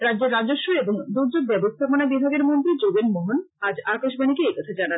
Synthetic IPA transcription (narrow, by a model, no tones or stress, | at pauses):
ɾad̪ːʑeɾːad͡ʑoʃːoeboŋd̪uɾd͡ʑoɡ̚bɛbost̪ʰaponabibʱaɡeɾmont̪ɾid͡ʑoɡenmoɦon | ad͡ʑakaʃbanikeekɔt̪ʰad͡ʑanan